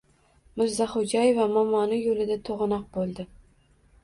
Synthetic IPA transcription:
mɪɾzaχod͡ʒajevamɒmːɒnɪjolɪd̪at̪ʰoʁnɒq̚bolˠd̪ɪ

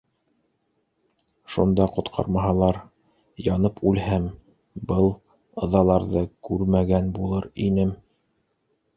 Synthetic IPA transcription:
ʃund̪ɑqŏt̪qʰɑ̰ɾmɑɦɑlˠɑɾ | jɑnɤpʰʉlhæm | bɤlˠ | ɤ̆ðɑlˠɑɾðɤkʉɾmæɡænbulˠɤɾinɘm

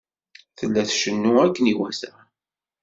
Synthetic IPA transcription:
θəlːæθʃənːʊækːəniwæsæ

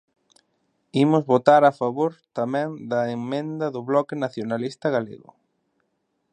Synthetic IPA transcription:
imʊzβot̪aɾafaβoɾt̪amɛ̃ŋd̪ɐeŋmẽnd̪ɐðʊβlɔkɪnaθjonalist̪ɐɣalḛɣʊ̰

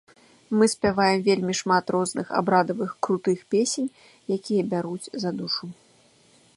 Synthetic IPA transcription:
mɨsʲpʲavajɛmvʲelʲmʲiʂmat̪ɾɔznɨxa̰bɾad̪ɐvɨxkɾut̪ɨxpʲesʲenʲ | jakʲijɐbʲaɾut͡sʲzɐd̪uʂu

